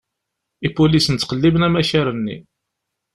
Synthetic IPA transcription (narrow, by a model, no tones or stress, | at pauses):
ipulisənːqəlːibənæmæʃaɾənːḭ